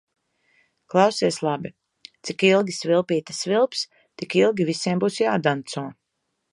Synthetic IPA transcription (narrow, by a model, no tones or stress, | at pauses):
klˠawsiɛslˠabi | t̪sikilˠɡʲisvilˠpiːt̪ḁsvilˠps | t̪ikilˠɡʲivisiɛmbuːsjaːd̪ant̪sɔɔ